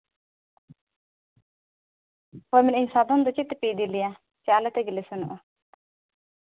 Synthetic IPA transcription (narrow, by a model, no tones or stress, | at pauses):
hɔjmɛniɲsad̪ɔnd̪ɔt͡ʃit̪ɛpid̪ilija | t͡ʃalɛt̪ɛɡilisunɔʔɔ